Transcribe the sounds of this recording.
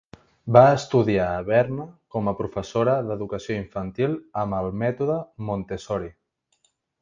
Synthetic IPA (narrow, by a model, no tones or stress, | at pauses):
baːst̪uðiaːβɛɾnəkɔməpɾufəsoɾəðəðukəsioiɱfənt̪ilˠəməlˠmɛt̪uðəmont̪esɔɾi